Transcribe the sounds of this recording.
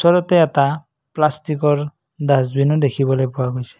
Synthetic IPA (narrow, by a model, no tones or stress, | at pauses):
sɔɾɔt̪eːt̪a | plastikɔɹ | d̪asbinɔd̪ekʰibɔlɔjpʊwaɡojsɛ̥